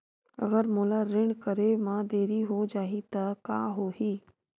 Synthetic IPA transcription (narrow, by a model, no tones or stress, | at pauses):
ɐ̰ɡəɾmoːlaɾɪɳɖkəɾemãd̪eːɾiɦod͡ʒaːɦit̪ɐka̰ːɦoɦiː